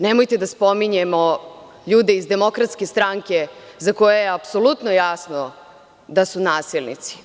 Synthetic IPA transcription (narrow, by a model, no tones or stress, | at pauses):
nemojt̪ed̪aspo̞miɲemo̞ | ʎuːd̪e̞izd̪e̞mo̞kɾat̪ske̞st̪ɾaŋke̞zako̞jejeapsolut̪nojaːsno | d̪asunaːsilˠnḭt̪si̥